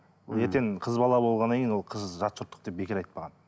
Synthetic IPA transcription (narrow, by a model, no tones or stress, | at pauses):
wolˠeɾt̪enqʰəzbɑlˠɑbo̞lˠʁɑnːɑŋkʰʲejnwolˠqʰəzʒɑt̪sʊɾt̪ːə̥q̚d̪e̞p̚bekʲɪɾɑjt̪̚pɑʁɑn